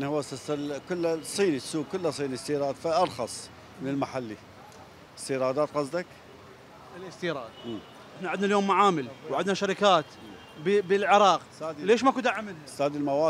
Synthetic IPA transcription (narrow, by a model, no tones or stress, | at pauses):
janihʊwːst̪aslkʊlːsˤːiːnisuːɡ̚kʊlːasˤiːnist̪iːɾˤɑːd̪faʔɑɾˤxɑsˤ | mɪnɪlmaħalːi | əst̪iːɾˤɑːd̪aːt̪qɑsˤd̪ak | lɪst̪iːɾˤɑːd̪̚ʔ | ʔɪħnaʕɪd̪naljoːmːaʕaːmɪlwʕɪd̪naʃaɾɪkaːt̪ | bbəlʕɪɾˤɑːq̪ː | leːʃmakud̪aʕːamːɪnhasaːd̪ilmawaː